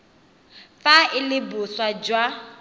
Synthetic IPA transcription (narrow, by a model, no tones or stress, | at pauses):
faɪlɪbʊswad͡ʒwa